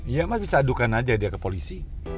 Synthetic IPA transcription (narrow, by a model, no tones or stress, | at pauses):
jamasbisaːdukanad͡ʒadiakəpolisi